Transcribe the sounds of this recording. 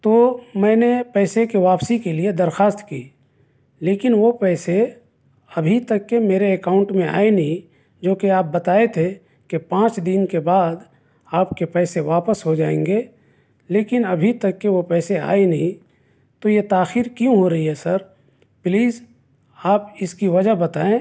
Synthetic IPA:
t̪omɛ̃ːnepɛːsekeʋaːpsikelied̪ɐɾxaːst̪kḭː | leːkɪnʋopɛːse | ɐbʱit̪ɐkːemeːɾeːkaːʊ̃ɳʈmẽa̰ːenɐɦĩ | d͡ʒoːkeaːp̚bɐt̪aːet̪ʰe | kepãːt͡ʃd̪ɪnkebaːd̪ | aːpkepɛːseʋaːpəsɦod͡ʒaːẽːŋɡe | leːkɪnɐbʱit̪ɐkːeʋopɛːsea̰ːenɐɦĩ | t̪ojet̪aːxiːɾkjũɦoɾɐɦiɦɛsɐɾ | pliːz | aːpɪskiʋɐd͡ʒəɦbɐt̪aːẽ

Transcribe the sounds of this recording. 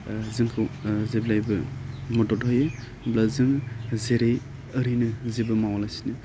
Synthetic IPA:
zɯŋkʰɯzeblajbɯmɔtɔtɦɔjɯ | blazɯŋzeɾej | əɾinɯzebɯmawalajsinɯ

